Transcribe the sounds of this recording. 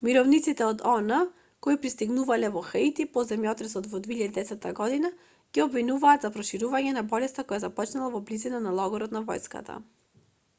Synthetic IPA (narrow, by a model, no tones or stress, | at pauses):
miɾɔvnit̪sit̪ɛɔd̪ɔnə | kɔipɾist̪iɡnuvalɛvɔxait̪ipɔzɛmjɔt̪ɾɛsɔt̪vɔd̪viiʎad̪id̪ɛsɛt̪ːaɡɔd̪ina | ɡ̥iɔbvinuvaːd̪zapɾɔʃiɾuvaɲɛnabɔlɛst̪akɔjazapɔt͡ʃnalˠavɔblizinanalˠɔɡɔɾɔt̪navɔ̰jska̰t̪ʰa̰